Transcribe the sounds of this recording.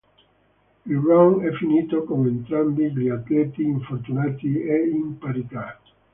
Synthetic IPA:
ilraŋɛfːiniːt̪okoment̪ɾambiɡliat̪lɛt̪iːɱfort̪unaːt̪ieimpaɾit̪a

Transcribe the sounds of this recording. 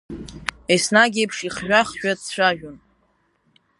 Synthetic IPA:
esnaɡʲepʰʂiχʒᶣaχʒᶣadt͡ɕʷʰaʒᶣon

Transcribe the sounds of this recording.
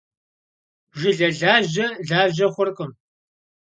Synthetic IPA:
ʒɪɮɐɮaːʑɐɮaːʒɐχʷʊrkʼɨm

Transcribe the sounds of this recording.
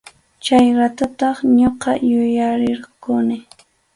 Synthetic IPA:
t͡ʃajɾat̪at̪ɑχɲoqɑjʊjaɾɪɾqʊnɪ

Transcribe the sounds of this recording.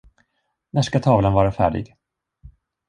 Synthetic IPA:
næʂkat̪ʰɑːvlənvɑːɾafæ̰ːɖɪ̰ɡ

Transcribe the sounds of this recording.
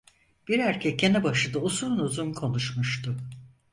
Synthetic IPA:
b̥iɾæɾcʰɛcːenɛbaʃɯd̪ausuɾnuzumkʰo̞nuʃmuʃt̪ʰu

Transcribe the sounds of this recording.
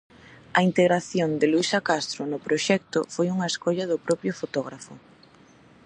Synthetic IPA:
ɐint̪eɣɾaθjond̪ɪluisakast̪ɾʊnʊpɾoʃɛk̚t̪ʊfojuŋɐeskoʎɐðʊpɾɔpɾjʊfot̪ɔɣ̞ɾafʊ̰

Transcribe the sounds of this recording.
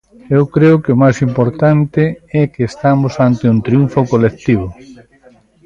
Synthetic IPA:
ewkɾeʊkeʊmajsimpoɾt̪ant̪ɪɛkeːst̪amʊsant̪eunt̪ɾjuɱfokolek̚t̪iβ̞ʊ

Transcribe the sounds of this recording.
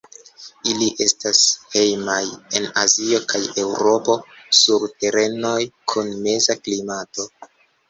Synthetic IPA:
iliʔe̞stashe̞jmaje̞nazio̞kʰaje̞wɾo̞po̞ | suɾte̞ɾe̞no̞jkʰunme̞zaklimato̞

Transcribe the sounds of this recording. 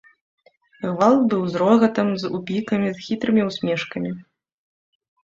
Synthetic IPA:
ɣvalˠbɨwzɾɔɣɐt̪ɐmzṵpʲikɐmʲizxʲit̪ɾɨmʲiwsʲmʲɛʂkɐmʲi

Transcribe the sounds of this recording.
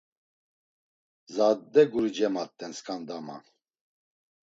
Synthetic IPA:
zad̪ːɛɡuɾid͡ʒɛmat̪ʼːɛnskʰʼand̪ama̰n

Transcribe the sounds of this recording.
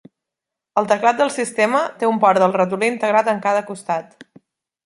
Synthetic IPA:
əlˠt̪əklat̪̚d̪əlˠsist̪emət̪eumpɔɾd̪əlˠrət̪̬uliːnt̪əɣɾat̪əŋkaðəkust̪at̪

